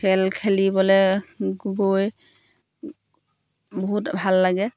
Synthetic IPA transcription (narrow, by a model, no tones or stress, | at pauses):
ɛlkʰelibɔlɛɡuɡoj | bɔɦutbʱalːaɡɛ